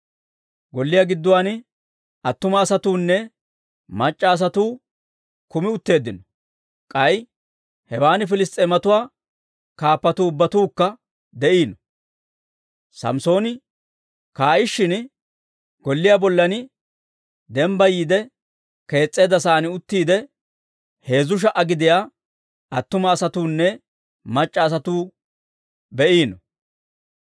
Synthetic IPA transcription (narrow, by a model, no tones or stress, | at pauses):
ɡɔlːɪjaɡɪd̪ːʊwaːn | ɐt̪ːʊmɐːsɐt̪uːnːɛ | mɐt͡ʃʼːɐːs̬ɐt̪uː | kʊmɪʊt̪ːe̞ːd̪ːɪnɔ | kʼɐj | hɛwaːnɪfɪlɪst̪ʼemɐt̪ʊwaː | kaːpːɐt̪uːʊbːɐt̪uːkːɐ | d̪ɛʔiːnɔ | sɐ̰mso̞ːnɪ | kaːʔɪʃːɪn | ɡ̥ɔlːɪjaːbɔlːɐnɪ | d̪ɛmbɐjiːd̪ɛ | ke̞ːt͡sʼːeːd̪ɐsaːnɪʊt̪ːiːd̪ɛ | he̞ːzʊʃ̬ɐʔɐɡɪd̪ɪjaː | ɐt̪ːʊmɐːsɐt̪uːnːɛ | mɐt͡ʃʼːɐːs̬ɐt̪uː | bɛʔiːnɔ